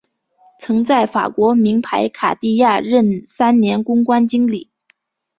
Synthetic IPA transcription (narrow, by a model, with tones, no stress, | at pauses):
t͡sʰɤ˧˥ŋt͡sa˥˩ɪfa̰˨˩kwɔ˧˥mi˧˥ŋpʰa˧˥ɪkʰa̰˨˩t̪i˥˧ja˥˧ɻə˥˩nsa˥nnjɛ˧˥nkʊ˥ŋkwa˥nt͡ɕi˥ŋli˨˩˦